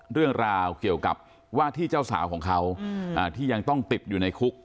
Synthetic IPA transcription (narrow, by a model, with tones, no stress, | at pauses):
ɾɯ˥˩əŋɾaː˧wki˨˩əwka̰˨˩p̚ | waː˥˩t̪ʰiː˥˩t͡ɕaː˥˩wsa̰ː˩˦wkʰɔː˩˦ŋkʰa˦˥wʔaː˨˩t̪ʰiː˥˩ja˧ŋt̪ɔ˥˩ŋt̪i˨˩p̚juː˨˩na˧jkʰu˦˥k̚